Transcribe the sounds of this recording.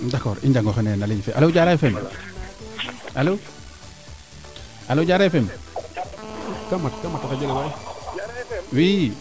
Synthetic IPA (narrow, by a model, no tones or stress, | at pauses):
dakoːɾiɲɟaŋɡoxenenaliɲfeʔa̰loɟaɾafem | alo | aloɟaːɾajfem | kamatkamatakaɟeliwaj | wi